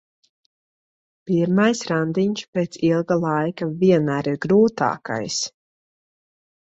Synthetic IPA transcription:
piɾmajsɾand̪iɲʃpeːt̪silˠɡalˠajkaviɛnaːɾiɾɡɾuːt̪a̰ːka̰js

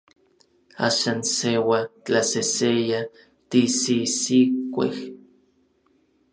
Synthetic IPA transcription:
a̰ːʃaːnsewat͡ɬaseseja | t̪isisikʷḛh

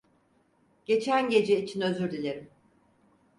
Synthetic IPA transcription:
ɟ̥e̞t͡ʃʰænɟe̞d͡ʒɛit͡ʃʰinø̞zyɾd̪ilʲeɾim

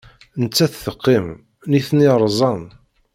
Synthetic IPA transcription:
nət͡sːæθθəqːim | niθniɾˤzˤɑn

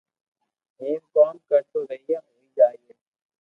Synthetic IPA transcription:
ɦeːmkaːmkəɾt̪oːɾəɦiaɦoːiːd͡ʒaːieː

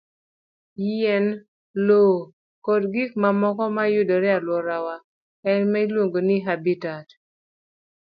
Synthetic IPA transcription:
jiɛn | lo | kodɡik̚mamɔkɔmajʊdɔɾɛalwɔɾawa | ɛnmailwoŋɡoniɦabitat

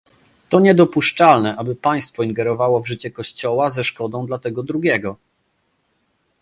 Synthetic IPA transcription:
t̪ɔɲɛd̪ɔpuʂt͡ʂalnɛʔabɘpaj̃st̪fɔiŋɡɛɾɔvawɔvʐɘt͡ɕɛkɔɕt͡ɕɔwazɛʂkɔd̪ɔ̃w̃d̪lat̪ɛɡɔd̪ɾuɡʲɛɡɔ

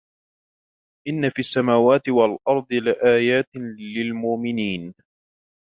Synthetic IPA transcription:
ʔɪnːafiːʔasːamaːwaːt̪ɪwalʔɑɾˤd̪ˤɨlɪʔaːjaːt̪lɪlmʊʔmɪniːn

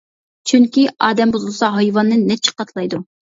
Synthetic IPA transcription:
t͡ʃʰyŋkʲiɑːd̪ɛmbuzulˠsɑɦɑjvɑnːɨnːɛt͡ʃʰi̥qɑt̪ʰlˠɑjd̪u

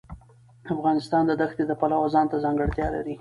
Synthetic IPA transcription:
afɣɑnɪst̪ɑnd̪əd̪axt̪ed̪əpalawazɑnt̪azɑŋɡəɽt̪jɑla̰ɾi

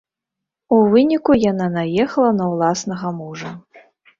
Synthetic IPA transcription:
uvɨnʲikujan̪anajɛxɐlˠɐnɐwlˠasnɐɣɐmuʐɐ

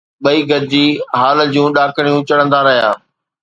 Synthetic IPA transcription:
ɓɐiːɡɐd̪ɪd͡ʑiːɦaːld͡ʑũɗaːkʰəɽ̃ijũt͡ɕɐɽ̃ə̃nd̪aɾɐɦija̰ː

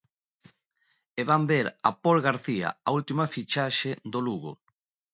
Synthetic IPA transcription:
eβambeɾapolɣaɾθia̰ault̪imafit͡ʃaʃed̪oluɣo̰

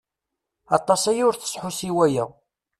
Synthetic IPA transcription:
ɑt̪ˤːɑsæjʊɾθə̥sħusiwæjæ

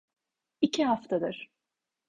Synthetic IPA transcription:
icʰiɦaft̪ʰad̪ɯɾ̥

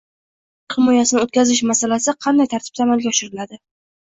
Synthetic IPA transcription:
qʰɨmɒjasɪnɪot̪̚kʲazɪʃ̬masalasɪqʰɑnd̪ajt̪ʰaɾt̪ʰɪ̥p̪̚ʰamalˠɡʲaɒʃɪɾɪlad̪ɪ

